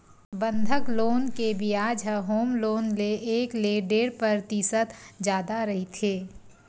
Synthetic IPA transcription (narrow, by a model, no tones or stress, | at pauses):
bə̃nd̪ʱəkloːnkebʱiaːd͡ʒɦəɦoːmloːnleʔeːkleːɖeːɾpɾəɾt̪isət̪d͡ʒjaːd̪aɾɐɦit̪ʰeː